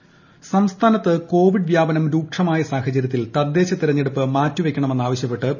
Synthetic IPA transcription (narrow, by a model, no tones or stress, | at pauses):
sɐmst̪ʰaːnɐt̪ːɨko̞ːʋiɖʋjaːbɐnɐmɾuːk̚ʂɐmaːjɐsaːhɐt͡ɕɐɾjɐt̪̬ːilt̪ɐd̪ːe̞ːɕɐt̪iɾɐɲːeɽupːɨmaːtːuʋe̞kʲːɐɳɐme̞nːaːʋɐɕjɐpːe̞ʈːɨ